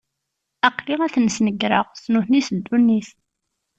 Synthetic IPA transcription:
æqːliæθnsnəɡɾə̰ʁsnuθnisəd̪ːunːiθ

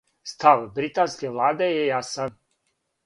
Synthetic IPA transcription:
st̪aʋbɾit̪anskeʋlˠaːd̪ejejasan

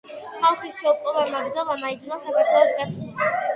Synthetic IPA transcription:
χalˠχisʃɛup̪ʼɔbamaɡɾd̪zalˠamaid̪inasapʰaɾt̪ʰwɛlɔsɡaʃiχa

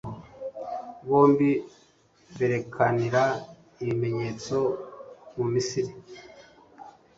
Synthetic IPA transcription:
βo̞ːmbi | βeɾe̞kʰaniɾa | iime̞ɲe̞ːt͡so̞mumisiɾi

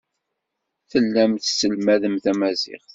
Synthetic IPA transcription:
θəlːæmθsəlmæðəmθæmæzɪ̰χ

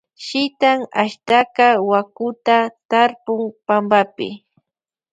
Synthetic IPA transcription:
ʃɪt̪aŋaʃt̪akɑwakʊt̪at̪aɾpʊŋpambapɪ̰

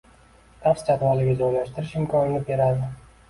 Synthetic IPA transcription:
t̪ʰafst͡ʃʰat̪valɪɡʲad͡ʒojlaʃt̪ɪɾɪʃɪmkʰɒnɪnɪbe̞ɾad̪ɪ

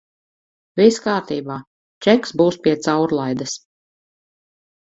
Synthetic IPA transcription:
viskaːɾt̪iːbaː | t͡ʃɛksbuːspʲiɛt̪sawɾlˠajd̪as

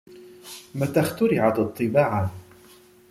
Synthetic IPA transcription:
mat̪axt̪ʊɾɪʕat̪ɑt̪ˤːɨbaːʕa

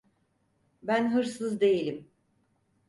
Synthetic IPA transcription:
bænɦɯɾsɯzd̪e̞jelʲim

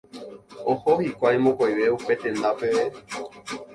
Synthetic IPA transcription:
ohohikʷajmõkojʋe̞upe̞t̪ẽ̞nd̪ape̞ʋe

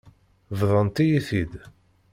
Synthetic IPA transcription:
vðˤənt̪ijiθid̪

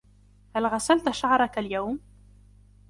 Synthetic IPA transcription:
halɣasalt̪ʃaʕɾˤɑkaljawm

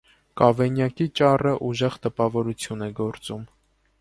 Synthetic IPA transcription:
kɑvɛnjɑkit͡ʃɑrəʔuʒɛʁt̪əpɑvɔɾut͡sʰjunɛɡɔɾt͡sum

